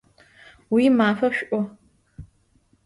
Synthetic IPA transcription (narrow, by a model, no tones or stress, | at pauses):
wiːmaːfɐʃʷʔʼʷɔ